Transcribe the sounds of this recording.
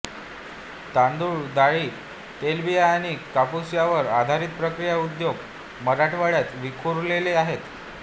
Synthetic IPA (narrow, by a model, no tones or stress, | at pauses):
t̪and̪uɭd̪aɭiː | t̪elbiajaɽ̃ikapusjaʋəɾad̪ʱaɾiːt̪̚pɾəkɾijaud̪joɡ | məɾaʈʰʋaɽjat͡s̪ʋikʰuɾleleaɦet̪